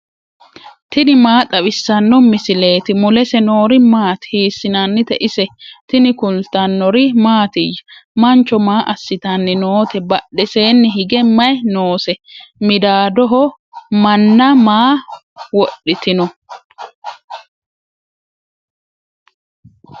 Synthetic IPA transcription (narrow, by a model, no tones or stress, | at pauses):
t̪ɪnɪmaːt̪ʼɐbɪsːɐnːɔmɪsɪle̞ːt̪ɪmʊlɛsɛno̞ːɾɪmaːt̪hiːsːɪnɐnːɪt̪ɛʔɪsɛt̪ɪnɪkʊlt̪ɐnːɔɾɪmaːt̪ɪjɐmɐnt͡ʃːɔmaːʔɐsːɪt̪ɐnːɪnoːt̪ɛbɐɗːɛse̞ːnːɪɦɪɡɛmɐjnoːsɛmɪd̪aːd̪ɔɦɔ | mɐnːɐmaː | wɔɗːɪt̪ɪnɔ